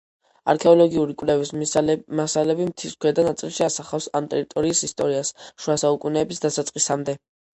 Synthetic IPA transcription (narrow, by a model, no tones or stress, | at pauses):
a̰ɾkʰɛɔlɔɡiuɾikʼlɛvismasalɛbimt̪ʰiskʰwɛd̪anat̪sʼilˠʃiasaχafsa̰mt̪ʼɛɾit̪ʼɔɾiːsist̪ʼɔɾiasʃuasaukʼunɛːbisd̪asat̪sʼqʼisamd̪ɛ